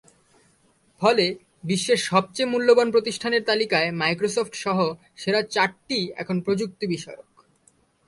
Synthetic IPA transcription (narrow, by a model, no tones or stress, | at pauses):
fʰɔle | biʃːeɾʃɔb̚t͡ɕemulːobanpɾot̪iʃʈʰaneɾt̪alikaemajkɾos̬ofʈʃɔɦo | ʃeɾat͡ɕaɾʈiɛ̰kʰonpɾod͡ʑuk̚t̪ibiʃɔjok